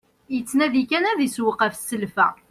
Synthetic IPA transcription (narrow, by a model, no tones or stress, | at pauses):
jət͡sːnæðikænæðiswəqæfsəlfæ̰